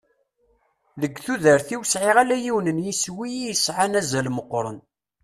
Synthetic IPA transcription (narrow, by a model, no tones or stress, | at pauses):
ðəɡːθuðəɾθiwəsʕiʁalæjiwnənjiswijijəsʕanæzælməqːɾˤə̰n